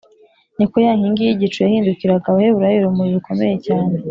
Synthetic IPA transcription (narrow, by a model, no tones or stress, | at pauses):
nikojaːŋiŋɡijiɟit͡ʃujahiːndukiɾaɡaβaheβuɾajiɾumuɾiβikʰo̞me̞̰je̞caːne